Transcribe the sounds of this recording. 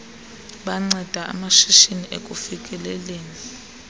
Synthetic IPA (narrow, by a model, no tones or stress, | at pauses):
ɓaŋ͡ǀɛd̥ʱaa̰maʃiʃiniʔḛkʼufikʼɛlɛleːni